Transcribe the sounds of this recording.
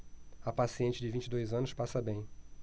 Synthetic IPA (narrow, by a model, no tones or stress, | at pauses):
ɐpasiẽnt͡ʃɪd͡ʒɪvĩnt͡ʃɪd̪ojzɐ̃nʊspasɐbẽj̃